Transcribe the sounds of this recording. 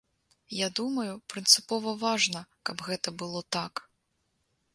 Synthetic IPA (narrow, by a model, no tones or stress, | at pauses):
jad̪umɐjupɾɨnt̪sɨpɔvɐvaʐnɐkɐbɣɛt̪ɐbɨlˠɔt̪ak